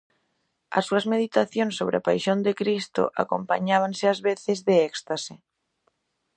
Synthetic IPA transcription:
a̰sːuɐzmeðit̪aθjõnsːoβ̞ɾɪapajʃõnd̪ekɾist̪o̰ʔa̰ko̰mpa̰ɲaβ̞ansɪazβeθɪzðeɛkst̪ase

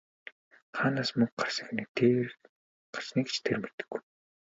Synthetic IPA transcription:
χaːnaːsmɵŋk̚ɢar̥sə̥̆xnet̪ʰe | ɢḁr̥sniːɡt͡ɕt̪ʰermet̪ɘ̥̆ɡːuj

